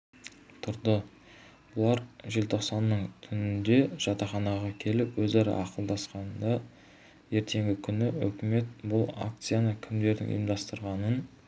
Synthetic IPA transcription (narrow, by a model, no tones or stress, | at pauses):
t̪ʰʊɾd̪ə | bʊlˠɑɾʒɪlt̪ʰo̞qsɑnːəɴt̪ʰʏnɪnd̪e̞ʒ̥ɑt̪ɑχɑnɑʁɑkʲʰe̞lɪpwɵzɑɾɑ̰ʔɑqəlˠd̪ɑsqɑnd̪ɑ | je̞ɾt̪ʰe̞ŋɡʲɪkʲʰʏnɪɵ̰kʲɪme̞t̪bʊlˠa̰k̚t̪sijanɑkʲʰɪmd̪e̞ɾd̪ɪ̰ŋʔʊ̰jəmd̪ɑst̪əɾʁɑnən